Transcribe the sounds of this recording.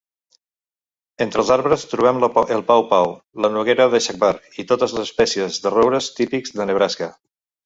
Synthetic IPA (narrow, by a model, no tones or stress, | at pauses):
ent̪ɾəlˠzaɾβɾəst̪ɾuβ̞ɛməlˠpawpawlənuɣeɾəðəʃak̚baɾkit̪ot̪əzləzəspɛsiəzðəroβɾəst̪ipikzðənəβ̞ɾaskə